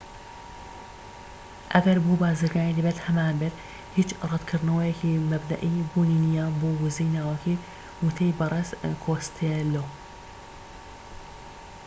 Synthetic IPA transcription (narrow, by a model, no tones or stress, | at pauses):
ʔɐɡɐɾbuːbaːzɨɾɡaːnilɪbɛt̪hɐmaːnbɪɾ | hit͡ʃrˤɨd̪kʰɨɾnɐwɐjɛkimɐbd̪ɐ̰ʔibuːniːnijaboːwʊzijnaːwɐkʰi | wut̪ʰɐjbɨɾˤeskʰoːst̪ʰelow